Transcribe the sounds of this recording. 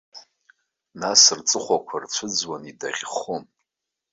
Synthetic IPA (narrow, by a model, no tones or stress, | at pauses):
nasɨrt͡sʼɨχʷakʷʰart͡sʷʰɨd͡zwanida̰ʁʲχom